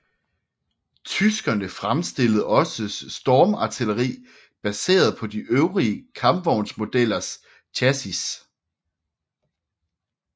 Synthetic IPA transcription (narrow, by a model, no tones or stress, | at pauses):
t͡sʰysɡ̥ɐnəfʁamsd̥e̝lð̩ˠɒ̽səsːd̥ɒːmɑ̈t͡sʰiləʁḭː | b̥æse̝̰ːɐð̞̩ˠpʰɒ̽d̥iʔøʊʁiəkʰɑ̈mb̥ʋɒʊnsmo̝d̥el̰ɐs | t͡ɕʰæsis